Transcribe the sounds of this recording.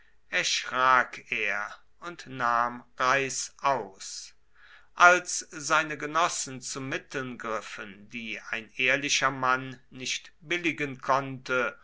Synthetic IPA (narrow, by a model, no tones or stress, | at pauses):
ʔɛɐʃʁ̥aːkʰeːɐ | ʊntnaːmʁaɪsʔaʊs | ʔalszaɪnəɡənɔsn̩t͡sumɪtl̩nɡʁɪfəndiːaɪnʔeːɐlɪʃɐmanːɪʃtb̥ɪlɪɡənkʰɔntə